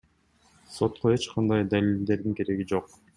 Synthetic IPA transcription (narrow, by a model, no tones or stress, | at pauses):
so̞t̪qoe̞t͡ʃqʰɑnd̪ɑjd̪alild̪e̞ɾd̪iŋke̞ɾe̞ɡid͡ʒo̞q